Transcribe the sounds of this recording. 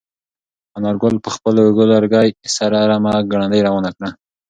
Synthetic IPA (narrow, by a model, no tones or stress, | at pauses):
anɑɾɡʊlpəxpəloweɡolaɾɡɑjsaɾaɾamaɡaɽand̪əjɾɑwanakɽa